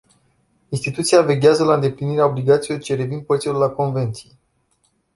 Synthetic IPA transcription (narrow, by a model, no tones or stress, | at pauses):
inst̪it̪ut̪sijave̞ɡʲeazəlaɨnd̪e̞pliniɾeao̞bliɡat̪sijort͡ʃeɾe̞vin̚pəsiolulako̞nve̞nt̪sije